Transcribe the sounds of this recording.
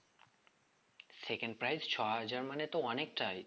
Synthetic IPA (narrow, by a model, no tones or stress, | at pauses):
sekə̃ɳɖ̚pɾajzt͡ʃʰɔɦəd͡ʒaɾmənet̪oənek̚ʈaj